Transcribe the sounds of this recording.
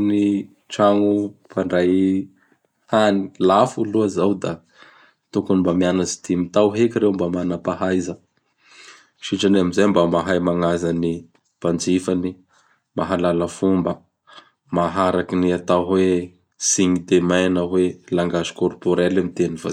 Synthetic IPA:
ni | ʈ͡ʂaŋupaɳɖ͡ʐaj | hani̥lafuluəzawd̪a | t̪ukunimbamianazi̥t̪imit̪awɦekiɾewmbamanapaɦajzə | ʃiʈ͡ʂaneamizajmbamaɦajmaŋazani | pand͡zifani | maɦalalafumba | maɦaɾakiniat̪aɦwe | siŋid̪emajanaɦwelaŋɡazi̥kɔrpoɾelamit̪enifa̰

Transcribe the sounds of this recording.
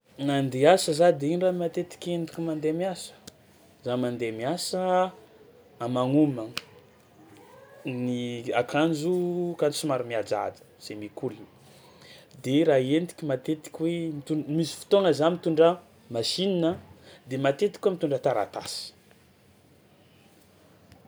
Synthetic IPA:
nand̪easəzad̪einramat̪et̪i̥kʲend̪i̥kʲimand̪eamiasə̥ | zamand̪eamiasə | amaŋumə | niakʰand͡ʒukand͡ʒusimaɾumiad͡ʒa̰d̪ə̥ | z̥emikulini̥ | d̪eɾaend̪i̥kʲimat̪et̪i̥kʲiwemit̪umisi̥fu̥t̪oŋəzamit̪uɳɖ͡ʐə | maʃininəd̪emat̪et̪i̥kʲwamit̪uɳɖ͡ʐət̪aɾa̰t̪a̰si̥

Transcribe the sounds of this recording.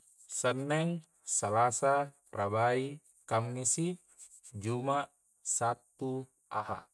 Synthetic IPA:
sənːɛŋ | salasa | rabai | kamːisi | d͡ʒuma | sat̪ːu | a̰ha̰

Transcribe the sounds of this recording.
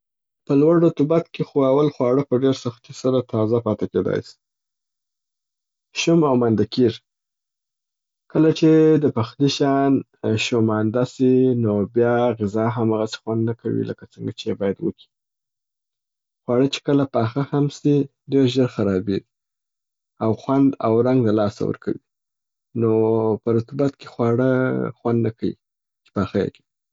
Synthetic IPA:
pəlwaɖot̪ʊbat̪kexoawalxwɑɽəpəɖeɾsaxt̪isəlat̪ʰɑzapɑt̪eked̪ɑ̰jsi̥ | ʃʊmawmand̪akiɾ | kəlat͡ʃed̪əpaxd̪iʃɑn | ʃomand̪asinobjɑɣɪzɑɦamaɣase̥xwand̪nakʰawḭlə̰kat͡səŋɡat͡ʃeebɑjad̪wə̰ki̥ | xwɑɽət͡ʃe̥kəlapɑxahamsi | ɖeɾʒəɾxaɾɑbeɡi | awxwand̪a̰wɾaŋɡd̪əlɑsa̰wə̰ɾkʰa̰wi | nopəɾʊt̪ɪbat̪̚ke̥xwɑɽəxwand̪nakajḭ | t͡ʃe̥paxajḛke̥

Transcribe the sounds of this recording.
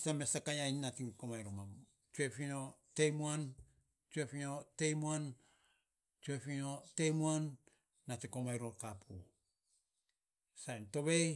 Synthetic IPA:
stamesakajainːatiŋkomajɾomam | t͡ʃuefinotejmuan | t͡ʃuefinotejmuan | t͡ʃuefinotejmuanː | atikomajɾoɾkapʰu | sajnto̞βej

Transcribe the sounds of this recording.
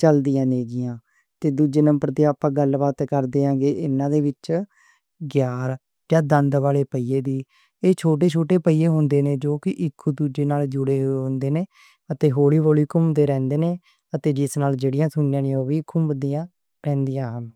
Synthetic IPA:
t͡ʃəld̪ɪjãːneːɡɪjãː | t̪eːd̪uːd͡ʒeːnəmbəɾt̪eːaːpãːɡəlbaːt̪kəɾd̪eːãːɡeːʔɪnːãːd̪eːʋɪt͡ʃ | ɡjaːɾ | d͡ʒãːd̪ənd̪ʋaːleːpəiːeːd̪iː | eːt͡ʃʰoːʈ̬eːt͡ʃʰoːʈeːpəiːeːɦõːnd̪eːnẽːd͡ʒoːkɪʔɪkʰːud̪uːd͡ʒeːnaːld͡ʒʊɽeːɦoɦõːnd̪eːneː | ət̪eːɦoːɽiːʋoːliːkʊmd̪eːɾɛ̃ːnd̪eːneː | ət̪eːd͡ʒɪsnaːld͡ʒeːɽɪjãːsʊnjãːnijoːʋiːkʰʊmbəd̪iːãː | ɾɛ̃ːnd̪ijãːəm

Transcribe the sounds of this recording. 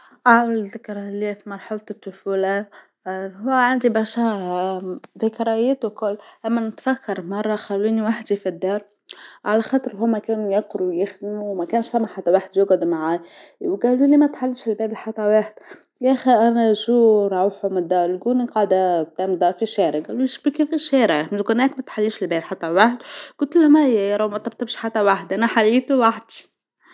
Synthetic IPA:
ʕawlɪðɪkɾˤɑlifimɑɾˤħalt̪t̪ːʊfuːla | hʊwʕand̪ibɑɾˤʃɑ | ðɪkɾˤɑjæt̪ukʊlːʔæmːænɪt̪fækʰːɑɾˤmɑrˤːɑxælːuːniwaħd̪ifid̪ːɑːɾˤ | ʕalæxɑːt̪ˤɨɾɦumːækæːnujɑqɾujɪxd̪muwmækæːnʃfæmːæħat̪ːæwaħd̪jʊɡd̪umaʕaːjwɡæːlulimæt̪ħalːiʃɪlbæːbɪlħɑt̪ˤːɑwaːħd̪̥ | jæxiʔænæʃuɾˤɑwħumɪd̪ːɑːɾˤlɡuniqɑʕd̪æt̪æmd̪ɑːɾˤfiʃæːɾəɡæːluʃbikifiʃæɾamɪʃɡʊnæːkmæt̪ħalːiːʃɪlbɛːblħɑt̪ˤːɑwaħd̪ɡ̥ʊlt̪læmæjæjɑɾˤɑwmæt̪ɑb̚t̪ˤɑbʃħat̪ːæwaħd̪ʔænæħaliːt̪uwaħd̪i

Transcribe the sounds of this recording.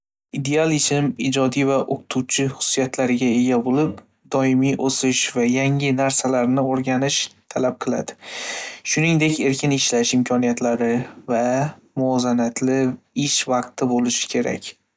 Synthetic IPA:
id̪e̞alˠɪt͡ʃʰɪmɪd͡ʒɒd̪ijvaʔoqt̪ʰuwt͡ʃʰɪχʊ̥sʊ̥ijat̪ʰlaɾɪɡʲae̞ɡʲabolɪp̚ | d̪ɒɪmijʔosɪʃvajaŋɪnaɾsalaɾnɪoɾɡʲanɪʃt̪ʰalap̚qʰɨlˠa̰d̪ɪ̥ʃʊnɪŋd̪e̞kʲe̞ɾkʰʲɪnɪʃlaʃɪmkʲʰɒnijat̪ʰlaɾɪva | mʊɒzanat̪ʰlɪɪʃvɑqt̪ʰɪbolɪʃɪ̥kʲʰe̞ɾa̰kʲ

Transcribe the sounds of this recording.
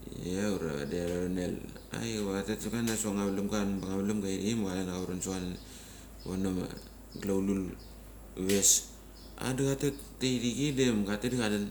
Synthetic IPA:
auɾa̰βa̰deaɾonel | a̰jwatetiɡanasuaŋaβlumɡanbaŋaβlumɡaiɾimoalanaauɾansuanan | onoma̰ | ɡlawlul | βes | a̰daɡatetː | ejɾiɡidemɡatedikadan

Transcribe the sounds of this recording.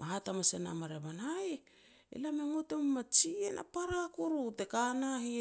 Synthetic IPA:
maɦatamasena̰maɾeβanaj | ḛlameŋo̞temmat͡ʃiena̰paɾakuɾutekanahi

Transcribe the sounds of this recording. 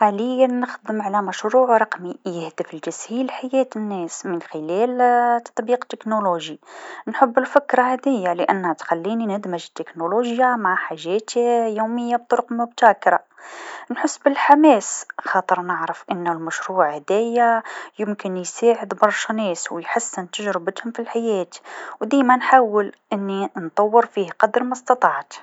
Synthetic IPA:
ħaləjænːəxd̪əmʕalæmæʃɾuʕɾˤɑqmijəhd̪əfəlʒæshilħajæt̪ənːæsmənxəlælt̪ɑ̥t̪ˤbiqt̪ːəknoloʒinħəbːəlfəkɾˤɑhd̪æjːaləʔənːhæt̪xælːininəd̪məʒət̪ːəknoloʒjamaʕħaʒːæt̪ijuməjːab̚t̪ˤʊɾʊqlmʊbt̪ækɾˤɑnħəsːbəlħamæsxɑt̪ˤəɾˤnəʕɾəfʔənːʊlmæʃɾuːʕhæd̪æjːajəmkənjsaʕəd̪bɑɾˤʃnɛːswjħasːənt̪əʒɾɪbət̪hʊmfilħajæːt̪wd̪imænħaːwːəlʔənːint̪ˤɑwːəɾfiːhqɑd̪əɾmæst̪ɑt̪ˤɑʕt̪

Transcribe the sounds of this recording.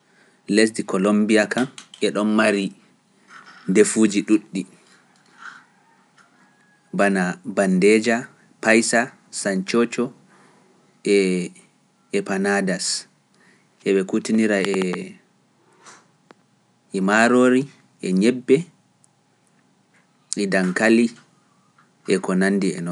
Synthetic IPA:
les̬dikɔlombiakanʔɛɗɔnmaɾi | ndefuːd͡ʒiɗuɗːi | banabandɛd͡ʒa | pajsa | saɲt͡ʃot͡ʃɔ | ʔɛ | panadas | ʔɛɓɛkutiniɾaɛ | maɾoːɾi | ʔɛɲɛbːɛ | ʔidaŋkali | ʔɛkɔnanːdiɛ̰nɔn

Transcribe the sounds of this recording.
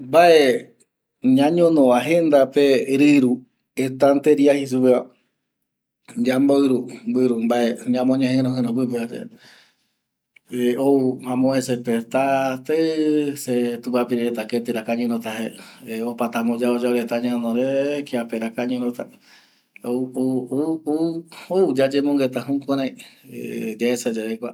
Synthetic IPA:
mbaʔe | ɲãɲõnõʋaɦend̪apeɾɨɾu | et̪ant̪eɾiahis̬upea | d͡ʒamboɨɾumbɨɾumbaʔeɲãmõɲãɦẽɾõɦẽɾõp̬ɨpeɾḛ | eouhãmõesepet̪at̪eset̪upapiɾeɾet̪aket̪iɾakaɲũɾõt̪aɦeeopat̪amõd͡ʒaod͡ʒaoɾet̪aɲãnõɾekiapeɾakaɲũɾõt̪a | oo | oud͡ʒad͡ʒemõŋɡet̪aɦũkõɾãĩ | d͡ʒaesed͡ʒaɾekʷa

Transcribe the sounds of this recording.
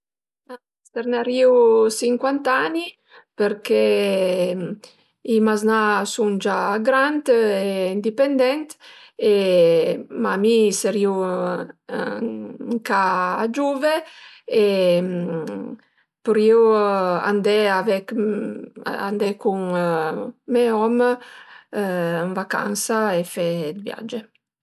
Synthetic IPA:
a | st̪eɾnaɾiusiŋkwant̪ani | peɾke | imaznasuŋd͡ʒaɡɾant̪eind̪ipend̪ɛnt̪ | e | mamiseɾiu | ŋkaːd͡ʒuve | e | puɾjuwa̰nd̪ɛavɛk | a̰nd̪ɛkuŋ | meɔm | nvaka̰nsaefɛd̪vja̰d͡ʒe

